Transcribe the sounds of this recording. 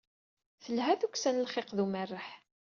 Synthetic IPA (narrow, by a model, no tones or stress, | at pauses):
θəlɦæθukːsænəlχeqðumərːəħ